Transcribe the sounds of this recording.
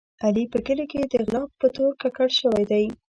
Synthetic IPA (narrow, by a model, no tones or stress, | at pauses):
alipəɡəleked̪əɣlɑk̚pət̪oɾkakaɽʃəwajd̪aj